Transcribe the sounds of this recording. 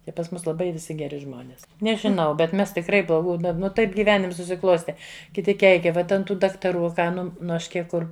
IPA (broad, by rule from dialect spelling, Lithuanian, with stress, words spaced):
ɪ pɐs ˈmʊs lˠɐˈbɐɪ ʋʲɪˈsʲɪ ɡʲɛˈrʲɪ ˈʒmoːnʲɪs nʲɛʒʲɪˈnɐʊ bʲɛt ˈmʲɛs tʲɪkˈrɐɪ blˠoːˈɡuː ˈdɐ ˈnʊ ˈtɐɪp ɡʲiːˈʋʲæːnʲɪms sʊsʲɪˈklˠoːsʲtʲɛ kʲɪˈtʲɪ ˈkʲɛɪkʲɛ ˈʋɐt ɐnt ˈtuː dɐktɐˈruː ɐ ˈkɑː ˈnʊ nʊ ˈɐʃ ˈkʲiɛk ˈkʊr